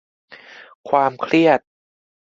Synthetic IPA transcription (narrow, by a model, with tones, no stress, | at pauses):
kʰwaː˧mkʰɾi˥˩ət̪̚